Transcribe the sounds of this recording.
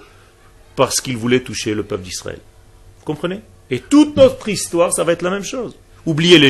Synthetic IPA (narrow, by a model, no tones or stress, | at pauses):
paʁsə̥kilvulɛt̪uʃeləpœpd̪isχa̰ɛ̰l | vukɔ̃pχəne | et̪ut̪nɔt̪χist̪waʁsavaɛt̪χlamɛmʃoːz | ublijele